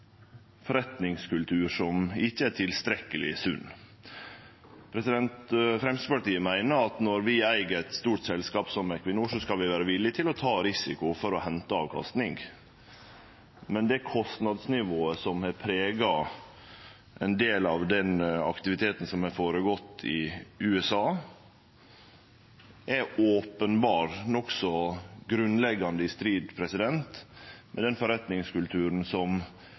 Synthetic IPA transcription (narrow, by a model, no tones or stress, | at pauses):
fɔɾɛt̪nɪŋskʉlt̪ʰʉːɾʂɔmɪçːəæʈtʰɪlst̪ɾɛkːəlɪ̰sʉ̰nː | pʰɾɛsɪd̪ɛnt̪fɾɛmsəpɑʈ̪iːəmæɪnəɾɑt̪nɔɾʋɪæɪɡəɾɛt̪st̪uːʈsɛlskɑːpsɔmækʰʋɪnuːʂɔskɑlʋɪʋæːɾəʋɪlːɪt̪ʰɪlɔt̪ʰɑːɾɪsɪkʊfɔɾɔhɛnt̪əɑːʋkʰɑ̰st̪nɪŋɡ | mɛnd̪ɛækʰɔst̪nɑd̪snɪʋoːəsɔmhɑɾpʰɾeːɡɑ | ʔɛnd̪eːlɑʋd̪ɛnɑ̰kt̪ɪʋɪt̪ʰeːt̪n̩sɔmhɛɾfoːɾəɡɔt̪ːɪʉːɛsɑː | ʔɛɾoːpənbɑːɾnɔksɔɡɾʉnlɛɡːɑnd̪əɪst̪ɾiːd̪pʰɾɛsɪd̪ɛnt̪mʔɛd̪ɛnfɔɾɛt̪nɪŋskʉlt̪ʰʉːɾənsɔm